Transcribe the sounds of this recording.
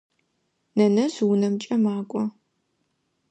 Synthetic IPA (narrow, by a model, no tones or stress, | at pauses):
nɐnɐzwʊnɐmt͡ʃʼɐmaːkʷʼɔ